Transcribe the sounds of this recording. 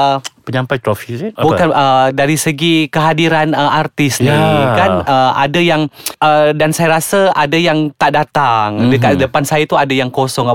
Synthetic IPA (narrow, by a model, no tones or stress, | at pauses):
əpəɲãmpajt̪ɾofisbukanədaɾisəɡikəɦadiɾanəart̪ɪsnikanəʔa̰dajaŋədansajaɾasəadajaŋt̪aʔdat̪aŋdəkadəpansajat̪uadajaŋkosɔŋa